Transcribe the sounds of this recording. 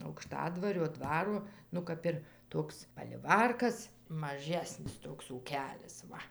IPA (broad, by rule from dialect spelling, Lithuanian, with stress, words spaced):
ɐʊkˈʃtɑːdʋɐrʲoː ˈdʋɑːroː ˈnʊ kɐp ɪr ˈtoːks pɐlʲɪˈʋɐrkɐs mɐˈʒʲæːsʲnʲɪs ˈtoːks uːˈkʲæːlʲɪs ˈʋɐ